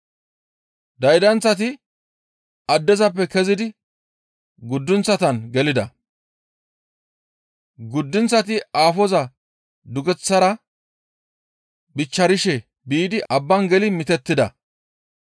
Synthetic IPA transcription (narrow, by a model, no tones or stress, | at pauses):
d̪ɐjd̪ɐnt͡sːɐt̪̬ɪ | ɐd̪ːɛzɐpːɛkɛzɪd̪ɪ | ɡʊd̪ːʊnt͡sːɐt̪ɐnɡɛlɪd̪ɐ | ɡʊd̪ːʊnt͡sːɐt̪̬ɪaːfɔzɐ | d̪ʊɡɛt͡sːɐɾɐ | bɪt͡ʃːɐɾɪʃɛ | biːd̪ɪʔɐbːɐnɡɛlɪmɪt̪ɛt̪ːɪd̪ɐ̰